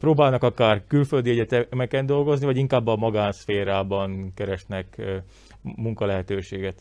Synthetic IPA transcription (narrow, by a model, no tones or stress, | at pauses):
proːbaːlnɒkɒkaːrkylføld̪iɛɟɛt̪ɛmɛkɛnd̪o̞lɡo̞znivɒɟiŋkaːbːɒmɒɡaːnsfeːɾaːbɒnkɛɾɛʃnɛk | muŋkɒlɛɦɛt̪øːʃeːɡɛt̪